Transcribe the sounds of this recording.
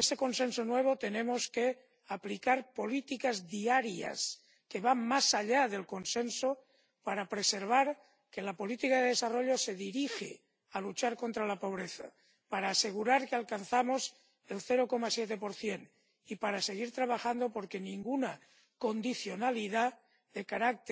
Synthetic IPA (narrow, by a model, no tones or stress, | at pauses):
est̪e̞ko̞nsẽ̞nso̞nwe̞β̞ot̪enẽ̞mo̞ske | aplikaɾpo̞lit̪ikazðiaɾja̰s | ke̞βanmasaʎaðe̞lko̞nsenso | paɾapɾe̞se̞ɾβaɾ | ke̞lapo̞lit̪ikaðeðe̞saro̞ʎo̞se̞ðiɾixḛ | alut͡ʃaɾko̞nt̪ɾalapo̞β̞ɾeθa | paɾaːse̞ɣ̞uɾaɾkealkanθamo̞s | e̞lθeɾo̞ko̞masjet̪̬epo̞ɾθje̞n | ipaɾase̞ɣ̞iɾt̪ɾaβ̞axand̪o̞po̞ɾke̞nĩŋɡuna | ko̞nd̪iθjo̞naliða | ðe̞kaɾak̚t̪